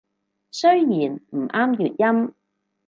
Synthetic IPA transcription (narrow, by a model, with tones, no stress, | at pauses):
sɵ˥ɥjiː˨˩nm̩˨˩ʔaː˥mjyː˨t̚jɐ˥m